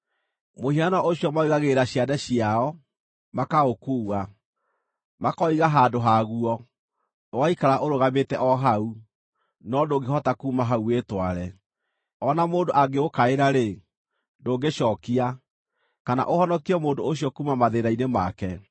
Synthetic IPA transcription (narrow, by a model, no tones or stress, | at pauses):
mohianɔʔoɕijɔmauɣaɣeɾaɕiadɛɕiaɔ | makaokuːwa | makɔiɣaɦadoɦaɣuɔ | oɣaikaɾaʔoɾoɣametɛʔɔɦau | nɔdoːɡehɔtakuːmaɦauwetwaɾɛ | ɔnamoːndoʔaɡeokaeɾaɾe | doːɡeʃɔːkia | kana̰ʔohɔnɔkiɛmoːndooɕjɔkumamaðeɾainemakɛ